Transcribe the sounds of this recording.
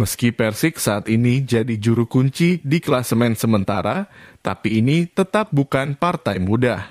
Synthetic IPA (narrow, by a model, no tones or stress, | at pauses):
məskipɛrsɪksaːt̪inid͡ʒadid͡ʒuɾukuɲt͡ʃidiklasəmɛnsəmənt̪a̰ɾat̪a̰piːnit̪ət̪ap̚bukanpart̪ajmudah